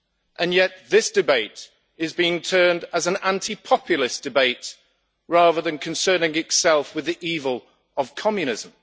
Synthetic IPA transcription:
ʔə̃njɛʔðɪsd̥ɪbeɪt | ɪzbiɪ̃ŋtʰɜ̃ːndəzə̃nãntʰipʰɒpʰjl̩ˠɪsd̥ɪbeɪt | ɹɑːðəðə̃nkʰə̃nsɜːnɪ̃ŋɪtsɛlˠfwɪðiʔiːvəlˠ | əv̥kʰɒmjɨñɪzə̃m

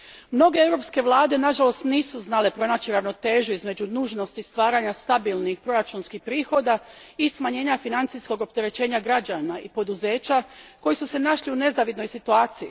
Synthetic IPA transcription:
mno̞ɡe̞ewɾo̞pske̞ʋlˠaːd̪e̞naʒalo̞st̪niːsuznale̞pɾo̞naːt͡ɕiɾaʋno̞t̪e̞ːʒuizme̞d͡ʑunuːʒno̞st̪ist̪ʋaːɾaːɲast̪abilnixpɾo̞ɾat͡ʃunskixpɾiːxo̞d̪aismaɲe̞ːɲafinant̪isko̞ɡo̞p̚t̪e̞ɾe̞t͡ɕe̞ːɲaɡɾad͡ʒaːnaḭpo̞d̪uze̞ːt͡ɕako̞jisuse̞naʃliune̞zaʋid̪no̞jsit̪uaːt̪sijḭ

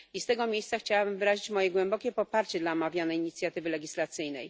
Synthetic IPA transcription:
ist̪ɛɡɔmʲjejst̪saxt͡ɕawabɘmvɘɾaʑit͡ɕmɔjɛɡwɛmbɔkʲɛpɔpaɾt͡ɕɛd̪laɔmavʲjanɛjiɲit̪sʲjat̪ɘvɘlɛɡʲislat̪sɘjnɛ̰j

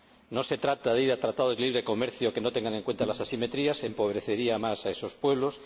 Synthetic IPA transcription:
no̞se̞t̪ɾat̪aðeiɾat̪ɾat̪aðozliβɾeko̞meɾθjoke̞no̞t̪eŋɡaneŋkwe̞nt̪alasasimet̪ɾiase̞mpo̞β̞ɾe̞θe̞ɾiamasae̞so̞spwe̞β̞lo̞s

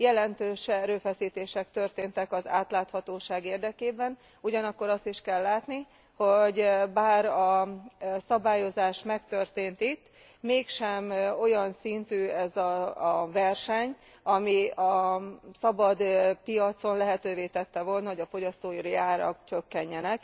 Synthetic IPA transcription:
jɛlɛnt̪øːʃɛɾøːfɛsiːt̪eːʃɛkt̪ø̞rt̪eːnt̪ɛkɒza̰ːt̪laːt̪hɒt̪oːʃaːɡeːrd̪ɛkeːbɛn | uɟɒnɒkːo̞ɾɒst̪iʃkɛlːaːt̪ni | ho̞ɟbaːɾɒ | sɒbaːjo̞zaːʃmɛkt̪ø̞rt̪eːnt̪it̪ː | meːkʃɛmo̞jɒnsint̪yːɛzɒvɛrʃɛɲ | ɒmiɒsɒbɒd̪pijɒt̪so̞nlɛɦɛt̪øːveːt̪ɛt̪ːɛvo̞lnɒɦo̞ɟɒfo̞ɟɒst̪oːjiɾiaːɾɒ̰kt͡ʃøkːɛɲːɛnɛk

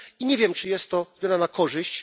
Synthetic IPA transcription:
iɲɛvʲjɛmt͡ʂɘjɛst̪ːɔɡʲjɔnanakʰɔʐɘɕt͡ɕ

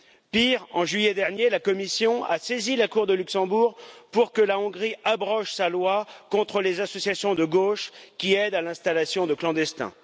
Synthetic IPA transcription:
piʁɑ̃ʒɥijɛd̪ɛʁnjelakɔmisjɔ̃asezilakuʁd̪əlyksɑ̃buʁpuʁkəlaɔ̃ɡʁiabʁɔʃsalwakɔ̃t̪χəlezasɔsjasjɔ̃d̪əɡoʃkʲiɛd̪alɛ̃st̪alasjɔ̃d̪əklɑ̃d̪ɛst̪ɛ̰̃

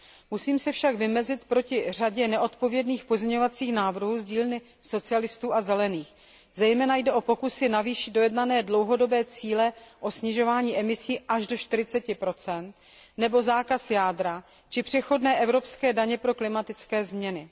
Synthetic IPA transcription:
musiːmsɛfʃaɡvɪmɛzɪt̪pɾo̞cɪr̝aɟɛnɛʔo̞t̪po̞vjɛdniːxpo̞zɲɛɲovat͡siːxnaːvr̩ɦuːzɟiːlnɪ | so̞t͡sɪalɪst̪uːʔazɛlɛniːx | zɛjmɛːnajdɛʔo̞po̞kusɪnaviːʃɪddo̞jɛdnanɛːdlo̞wɦo̞do̞bɛːt͡siːlɛʔo̞sɲɪʒo̞vaːɲiːʔɛmɪsiːʔaʒdo̞ʃt̪ɪɾɪt͡sɛcɪpɾo̞t͡sɛnt̪ | nɛbo̞zaːkasjaːdɾa | t͡ʃɪpr̝̥ɛxo̞dnɛːʔɛvɾo̞pskɛːdaɲɛpɾo̞klɪmat̪ɪt͡skɛːzmɲɛnɪ

